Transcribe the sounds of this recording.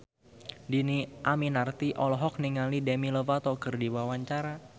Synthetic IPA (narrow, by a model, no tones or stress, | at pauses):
diniʔaminart̪iʔɔlɔɦɔk̚niŋalidemiləvat̪ɔkɨrdiwawaɲt͡ʃaɾa